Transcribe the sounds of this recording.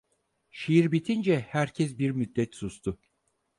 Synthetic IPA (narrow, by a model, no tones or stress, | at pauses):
ʃijiɾbit̪ʰind͡ʒɛhæɾcʰɛsbiɾmyd̪ːɛt̪sust̪ʰʊ